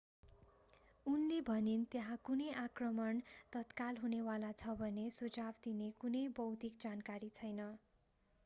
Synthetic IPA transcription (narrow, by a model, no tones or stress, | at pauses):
unlebʱʌnint̪jeɦãkunʌjʔakrʌmʌnt̪ʌt̪kalɦunewalat͡sʰʌbʱʌnesud͡zabd̪inekunʌjbʌwt̪ikd͡zankaɾit͡sʰʌjnʌ